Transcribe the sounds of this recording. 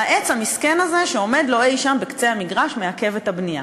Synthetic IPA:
haʔet͡shamiskenazeʃe̞o̞me̞d̪lo̞ejʃambekt͡se̞jhamiɡʁaʃmeake̞vet̪abnija̰

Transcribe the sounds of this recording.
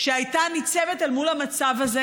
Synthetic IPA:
ʃeajtanit͡sevetalmulamat͡savaze

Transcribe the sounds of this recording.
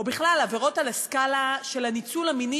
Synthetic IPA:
obiχlalaveʁo̞talaskalaʃe̞lanit͡sulhamini

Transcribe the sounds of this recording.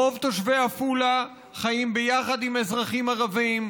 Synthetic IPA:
o̞vt̪oʃveafula | χajimbejaχad̪imezʁaχimaʁavim

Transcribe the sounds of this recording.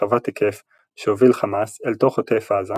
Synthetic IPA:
avatekʰef | ʃeovilχamaselto̞χotefaːza

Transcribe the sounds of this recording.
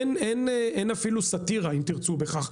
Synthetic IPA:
neneenafilusat̪iʁaimt̪iʁt͡subeχaχ

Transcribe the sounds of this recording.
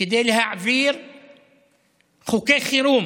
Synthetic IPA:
id̪elhaʕviːɾ | xukexiɾuːm

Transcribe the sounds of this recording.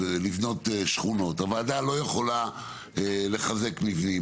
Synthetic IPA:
livno̞teʃχuno̞tavaladalo̞jeχo̞la | ele̞χaze̞kmivni

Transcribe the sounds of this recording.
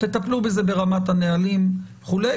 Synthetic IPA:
t̪et̪aplube̞ze̞be̞ʁamat̪hanealim | χule

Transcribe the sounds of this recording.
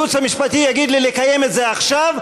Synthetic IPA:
ut͡shamiʃpat̪ijaɡid̪lilekaje̞met̪ze̞aχʃav

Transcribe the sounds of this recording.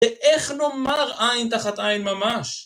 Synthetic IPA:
eʔeχnomaʁajnt̪aχat̪ajnmamaʃ

